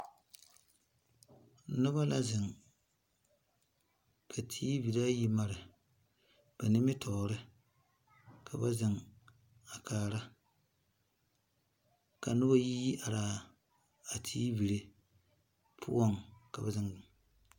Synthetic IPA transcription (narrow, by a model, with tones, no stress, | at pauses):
nʊ˦ba˦la˦zɪ˨ŋ | kʰa˨tʰiː˦bi˨ɾa˦ji˦ma˦ɾɨ˨ | b̥a˨nɪ˦mɪ˦tʰɔ˨ɾɨ˦ | kʰa˨ba˦zɪ˨ŋ | a˨kʰaː˨ɾa˦ | ka˨nʊ˦ba˦ji˦ji˦ʔa˨ɾaː˨ | a˨tʰi˦bi˨ɾe˦ | pʰʊ̰˦ɔ˦ŋka˨ba˨zɪ˦ŋ˨